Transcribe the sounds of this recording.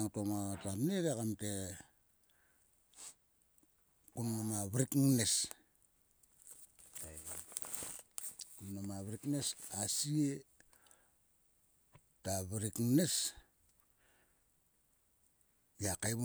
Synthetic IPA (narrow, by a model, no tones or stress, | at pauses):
ŋtomatapneɾekamte | kunːomaβɾikŋnes | kunːomaβɾiknesasie | taβiɾikŋnes | jakajβu